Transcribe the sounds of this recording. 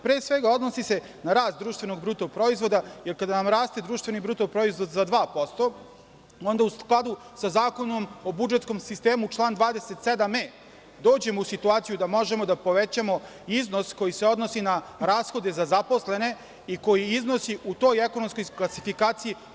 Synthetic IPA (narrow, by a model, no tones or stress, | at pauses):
pɾeːsʋeɡao̞d̪nosise̞ | naɾaːst̪̚d̪ɾuːʃt̪ve̞no̞ɡbɾuːt̪opɾo̞izʋo̞d̪aje̞ɾkad̪anamɾaːst̪ed̪ɾuːʃt̪ʋe̞nibɾuːt̪opɾo̞izʋo̞d̪zad̪ʋaːpo̞st̪o̞ | o̞nd̪ausklˠad̪u | sazaːko̞nomobud͡ʒet̪sko̞msist̪eːmut͡ʃlˠaːnd̪ʋaːd̪eset̪sed̪ameː | d̪o̞ːd͡ʑe̞mousit̪uaːt̪sijud̪amo̞ʒe̞mo̞d̪apo̞ʋet͡ɕamo̞ | izno̞sko̞jise̞o̞d̪nosinaɾaːsxo̞d̪e̞zazapo̞sle̞ne̞ | iko̞jiizno̞siʔut̪o̞jeko̞nomskojklˠasifikaːt̪siji